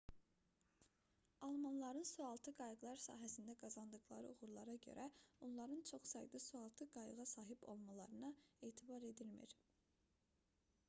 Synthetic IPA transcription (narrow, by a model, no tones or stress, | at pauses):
ɑlˠmɑnlˠɑɾɯnsuɑlˠt̪ʰɯɡɑjɯɡlˠɑɾsɑ̰ːɦæsind̪æɡɑzɑnd̪ɯɣlˠɑ̰ɾɯ̰uɣuɾlˠɑɾɑɟø̰ɾʔæonlˠɑɾɯnt͡ʃʰo̞χsɑjd̪ɯsuɑlˠt̪ʰɯɡɑjɯɣɑsɑːɦibo̞̰lˠmɑlˠɑɾɯnɯeːt̪ʰibɑɾe̞d̪ilmḭɾ̥